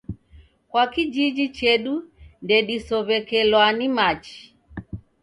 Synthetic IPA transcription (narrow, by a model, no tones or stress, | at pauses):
kwakid͡ʒid͡ʒit͡ʃɛɗundɛɗisɔβɛkɛlwanimat͡ʃi̥